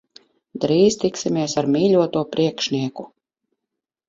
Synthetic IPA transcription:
d̪ɾiːzt̪iksimʲiɛsaɾmiːʎʲuɔt̪uɔpɾʔiɛkʃniɛku

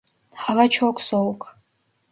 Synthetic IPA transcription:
ħalat͡ʃʰokʷʰʼsowkʰʼ

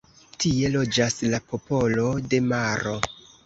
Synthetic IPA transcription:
tie̞lo̞d͡ʒaslapo̞po̞lo̞de̞maɾo̞

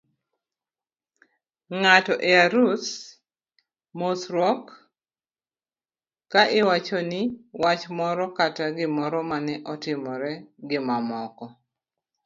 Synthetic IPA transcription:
ŋatɔʔɛaɾus | mosɾɔk | aʔɪwat͡ʃɔnɪwat͡ʃmɔɾɔkataɡɪmɔɾɔmanɛʔɔtɪmɔɾɛɡɪmamɔkɔ

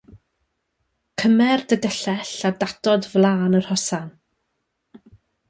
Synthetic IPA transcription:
kʰəmɛrdədɛɬɛɬadadɔdvlˠaːnər̥hɔsan

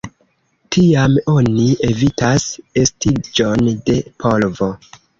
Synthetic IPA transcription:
tʰiamo̞nie̞vitase̞stid͡ʒo̞nde̞pʰolvo̞

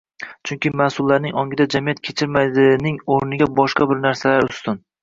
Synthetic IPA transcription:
t͡ʃʰʊŋkʲɪmasʊlˠːaɾnɪŋɒŋʲɪd̪ad͡ʒamijat̪̚kʲʰet͡ʃʰɪɾmad̪ɪnɪŋoɾnɪɡʲabɒʃqɑbɪɾnaɾsalaɾʊst̪ɪn

